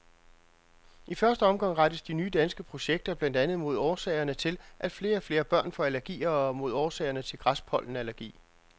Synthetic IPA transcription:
ifɶɐsd̥əɒ̽mɡ̥ɑ̈ŋ̰ʁɑd̥əsd̥inyːd̥ænsɡ̥əpʰʁo̝ɕeɡ̥̚d̥ɐb̥læn̰d̥ænð̩ˠmo̝ð̞ˠɒːsɛ̰ɪɐnət͡sʰe̝lʔæd̥fle̝ːɐɒfle̝ːɐb̥ɶɐ̰nfɒ̽ælæɐɡ̥ḭːɐɒmo̝ð̞ˠɒːsɛ̰ːɐnət͡sʰe̝lɡ̥ʁaspʰɒ̽l̰n̩ælæɐɡ̥ḭː

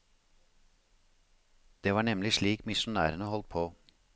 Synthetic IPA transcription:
d̪̥eːʋɑːɳɛmlɪʂɭiːkmɪʃʊnæ̰ːɾənəhɔlt̪̚pʰoː

